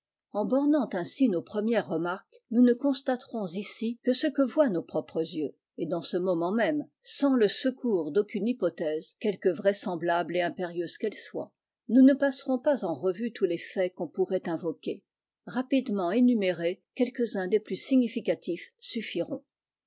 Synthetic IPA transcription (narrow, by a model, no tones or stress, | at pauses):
ɑ̃bɔʁnɑ̃t̪ɛ̃sinopχəmjɛʁːəmaʁk | nunəkɔ̃st̪at̪ʁɔ̃zisikəsəkəvwanopχɔpχəzjø | ed̪ɑ̃səmɔmɑ̃mɛm | sɑ̃ləsəkuːʁd̪okʲynipɔt̪ɛzkʲɛlkəvʁɛsɑ̃blableɛ̃peʁjøz̥kɛlswa̰ | nunəpasʁɔ̃pazɑ̃ʁəvyt̪ʰulefɛkɔ̃puʁɛt̪ɛ̃vɔkʲe | ʁapid̪mɑ̃enymeʁekʲɛlkəzɛ̃d̪eplysiɲifikat̪ifsyfiʁɔ̃